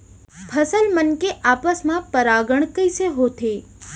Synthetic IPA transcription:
pʰəsəlmənkeʔapəsmãpəɾaɡəɳ̃kəjseɦot̪ʰe

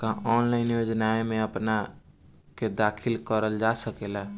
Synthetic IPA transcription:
kaɦɔnlaɪnjod͡ʒnaemeəpna | ked̪akʰilkəɾəld͡ʒasəkela

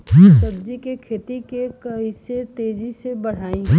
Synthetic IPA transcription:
səbd͡ʒikekʰeːt̪ikekɐɦiset̪eːd͡ʒisebɐɽ̤aːĩ

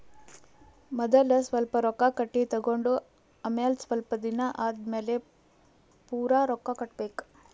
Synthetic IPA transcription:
mɐd̪ɐlɐsʋɐlpɐɾɔkːakɐʈːit̪ɐɡoɳɖu | ɐmelsʋɐlpɐd̪inɐʔaːd̪meːle | puːɾaːɾɔkːakɐʈ̚beːk

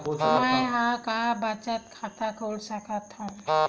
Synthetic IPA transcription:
omajɦãkabɐt͡ʃət̪̚kʰat̪akʰolsəkət̪ʰɔ̃

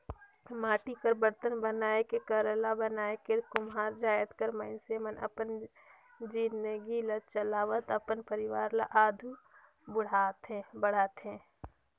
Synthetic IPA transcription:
maːʈikəɾbəɾt̪ənbənaːekekəɾəlabənaːekekʊmɦaːɾd͡ʒaːjət̪kəɾməɪnsemənə̰pən | d͡ʒinəɡilat͡ʃəlaːʋət̪əpənpəɾɪʋaːɾlaʔaːd̪ʱu | bʊɽ̤aːt̪ɦẽbəɽ̤aːt̪ɦẽ

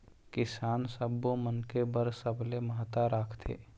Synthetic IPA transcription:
kɪsaːnsəbːomənkebəɾsəblemaɦt̪aɾaːkʰt̪ʰḛː

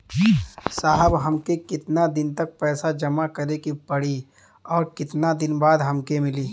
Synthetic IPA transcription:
saːɦəbɦɐmkekɪt̪nad̪ɪnt̪ɐk̚pɛːsad͡ʒɐmakɐɾekipɐɽi | ɔːɾkɪt̪nad̪ɪnbaːd̪ɦɐmkemɪliː

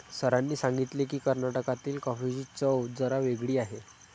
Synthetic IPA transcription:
səɾanːiːsãŋɡit̪lekiːkəɾnaʈəkat̪iːlkɔfid͡ʑiːt͡səwd͡zəɾaʋeɡɽiːaɦe

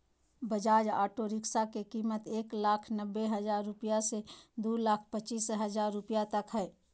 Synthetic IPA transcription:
bəd͡ʒaːd͡ʒa̰ːʈoɾɪksakekiːmət̪eːklaːkʰnəbːeɦɐzaːɾːʊpijased̪uːlaːkʰpət͡ʃiːsɦɐd͡ʒaːɾːʊpijat̪ɐkɦɛː

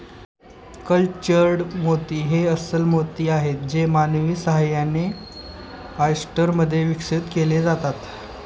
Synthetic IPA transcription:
kəlt͡ɕəɾɽmot̪iːɦeəsəlmot̪iːaɦet̪̚d͡ʑemanʋiːsəɦajːane | ajsʈəɾməd̪ʱːjeʋikʂit̪keled͡zat̪at̪

